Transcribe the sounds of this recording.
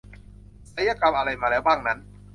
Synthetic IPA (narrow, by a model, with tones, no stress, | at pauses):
sa˦˥ja˧ka˧mʔa˧ɾa˧jmaː˧lɛː˦˥wbaː˥˩ŋna˦˥n